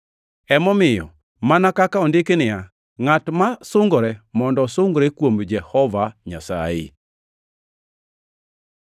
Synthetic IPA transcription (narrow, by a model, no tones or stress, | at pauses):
ɛmɔmɪjɔ̰ | manakakaɔndɪkenɪja | ŋatmasʊŋɡɾɛmɔndɔsʊŋɡɾɛkwomd͡ʒɛhɔvaɲa̰sa̰ɪ̰